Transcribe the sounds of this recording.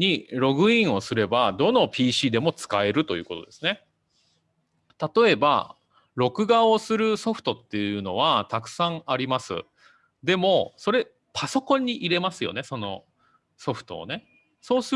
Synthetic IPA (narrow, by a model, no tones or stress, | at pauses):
ɲiɾo̞ɡɯ̟ĩɰ̃o̞sɨɾe̞bad̪o̞no̞pʲiːɕiːd̪e̞mo̞t͡sɨ̥kae̞ɾɯ̟t̪o̞jɯ̟ːko̞t̪o̞d̪e̞sɨne̞ | t̪at̪o̞e̞ba̰ | ɾo̞kɯ̟ɡaosɨɾɯ̟so̞ɸɯ̟̥t̪o̞t̪ːe̞jɯ̟no̞β̞at̪akɯ̟̥sãɴaɾʲimasɨ̰ | d̪e̞mo̞so̞ɾe̞ | paso̞kõ̞ɲ̟ːiʔiɾe̞masɨjo̞̰ne̞so̞no̞ | so̞ɸɯ̟̥t̪o̞̰ːne̞ | so̞ːsɨ